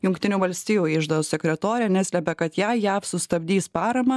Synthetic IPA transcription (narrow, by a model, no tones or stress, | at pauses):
jʊŋkt̪ʲɪnʲuːʋɐlʲsʲt̪ʲiːjuːɪʒd̪ɐʊssʲɛkʲɾʲɛt̪oːɾʲɛnʲæsʲlʲɛpʲɛkɐt̪jæjæːfsʊst̪ɐbʲd̪ʲiːspɑːɾɐmɐ